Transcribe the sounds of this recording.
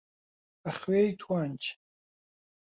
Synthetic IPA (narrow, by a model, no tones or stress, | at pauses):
aχɥejtʰwant͡ʃʰ